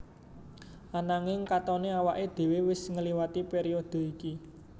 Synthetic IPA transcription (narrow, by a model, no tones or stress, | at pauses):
anaŋɪŋkat̪ɔneawaʔed̪̥e̤wewɪsŋəliwat̪ipeɾiɔd̪̥o̤iki